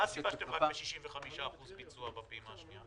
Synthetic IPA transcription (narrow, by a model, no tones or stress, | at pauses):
azifaʃtemʁakbeʃiʃimveχamiʃaːχuzbit͡suabapiimaːʃnia